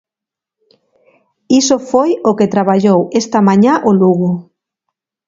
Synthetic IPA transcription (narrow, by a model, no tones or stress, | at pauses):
isofojoket̪ɾaβaʎowest̪ɐmãɲaʔoluɣʊ